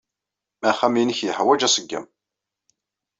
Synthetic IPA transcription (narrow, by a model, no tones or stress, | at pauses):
mæχæminəçjəħwæd͡ʒæsəɡːæ̰m